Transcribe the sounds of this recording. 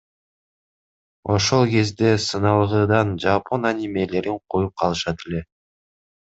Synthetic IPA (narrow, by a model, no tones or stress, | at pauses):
o̞ʃo̞lˠke̞zd̪e̞sɯnɑlˠʁɯːd̪ɑnd͡ʒapʰo̞nanʲimʲe̞le̞ɾiɴqʰo̞jup̚qʰɑlˠɯʃɑt̪ʰe̞le̞